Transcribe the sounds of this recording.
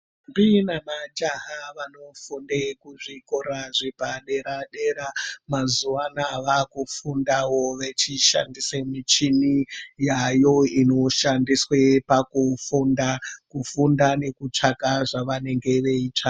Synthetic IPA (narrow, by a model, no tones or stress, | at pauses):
mbinamad͡ʒaɦaʋano̞fundekuʐikoɾaʐibaɗeɾaɗe̞ɾamazuʋanaʋakufundawo̞ʋe̞t͡ʃiʃa̰ndisemit͡ʃinijajo̞ino̞ʃandiswepakufundakufundane̞kut͡ʂakaʐaʋane̞ŋɡe̞ʋe̞it͡ʂa